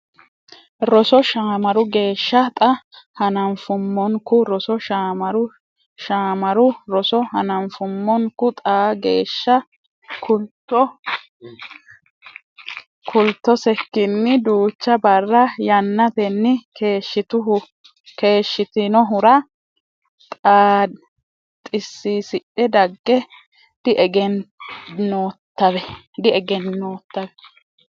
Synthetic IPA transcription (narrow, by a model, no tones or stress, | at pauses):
ɾɔsɔʃaːmɐɾʊɡe̞ːʃːɐt̪ʼɐhɐnɐmfʊmːɔŋkʊɾɔsɔʃaːmɐɾʊ | ʃaːmɐɾʊɾɔsɔɦɐnɐmfʊmːɔŋkʊt̪ʼaːɡḛːʃːɐ | kʊt̪ːɔ | kʰʊlt̪ːɔsɛkːɪnːɪd̪uːt͡ʃːɐbɐrːɐjɐnːɐt̪ɛnːɪkeːʃːɪt̪ʊɦʊ | ke̞ːʃːɪt̪ɪnɔɦʊɾɐ | t̪ʼaː | t̪ʼːɪsːisɪɗːɛd̪ɐɡːɛ | d̪̥ɪʔɛɡɛnnoːt̪ːɐβɛ | d̪ɪɛɡɛnːoːt̪ːɐbɛ